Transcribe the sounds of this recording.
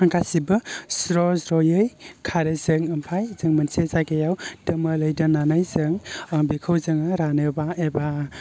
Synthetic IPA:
aŋkʰasibɯsɾɔzɾɔjɯjkʰaɾezɯŋɐmpʰajzɯŋmɐnsezaɡejawd̥ɯmɯlɯjdananajzɯŋŋbikʰɯwzɯŋɯɾanɯbaeba

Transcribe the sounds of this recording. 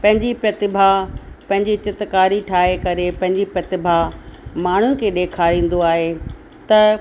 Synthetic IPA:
pɐ̃ɦɪ̃ɲd͡ʑipɐt̪ɪbʱapɐ̃ɦɪ̃ɲd͡ʑit͡ɕɪt̪kaːɾiʈʰaːɦekɐɾepɐ̃ɦɪ̃ɲd͡ʑipɐt̪ɪbʱamaːɳ̤ʊnɪ̆kʰeːɗeːkʰaːɾĩːn̆d̪oaːɦe | t̪ɐ

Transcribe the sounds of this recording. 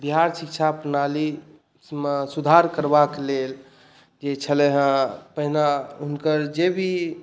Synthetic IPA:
biɦaɾsik̚t͡ʃʰapənali | mesud̪ʱaɾkəɾbaklel | d͡ʒet͡ʃʰəlɛɦə̃pəɦinaɦunkəɾd͡ʒebʱi

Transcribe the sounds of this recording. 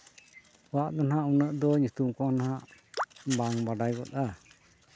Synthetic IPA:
waʔt̪ɔnɦãʔunəʔd̪ɔɲut̪umkɔnaɦaʔ | baŋbaɖajɡɔt̪a

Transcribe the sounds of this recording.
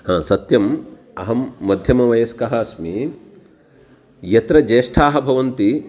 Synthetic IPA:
hãːsɐt̪jɐm | ɐɦɐmːɐd̪ʱjɐmɐʋɐjɐskɐɦɐɐsmi | jɐt̪ɾɐd͡ʒeːʂʈʰaːɦɐ̆bʱɐʋɐnt̪i

